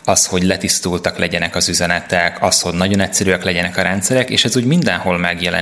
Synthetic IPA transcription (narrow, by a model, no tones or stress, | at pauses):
ɒsho̞ɟlɛt̪ist̪uːlt̪ɒklɛɟɛnɛkɒzyzɛnɛt̪ɛkʰɒsho̞ɟnɒɟo̞nɛcʲsɛɾyɒklɛɟɛnɛkɒɾɛnt̪sɛɾɛkeːʃɛzuːɟmind̪ɛnho̞lmɛɡjɛlɛ̰